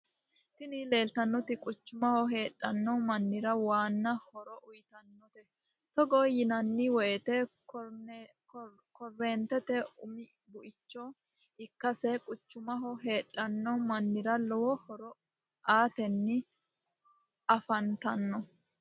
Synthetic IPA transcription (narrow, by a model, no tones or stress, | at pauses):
t̪ɪnɪle̞ːlt̪ɐnːɔt̪ɪkʼʊt͡ʃːʊmɐhɔɦe̞ːᶑʼɐnːɔmɐnːɪɾɐwaːnːɐhɔɾɔʔʊjt̪ɐnːɔt̪ɛ | t̪ɔɡɔjɪnɐnːɪwɔjɛt̪ɛ | kɔrːeːnt̪ɛt̪ɛʊmɪ | bʊʔɪt͡ʃːɔ | ɪkːɐsɛkʼʊt͡ʃːʊmɐɦɔɦe̞ːᶑʼːɐnːɔmɐnːɪɾɐlɔwɔhɔɾɔ | aːt̪ɛnːɪ | ʔɐfɐnt̪ɐnːɔ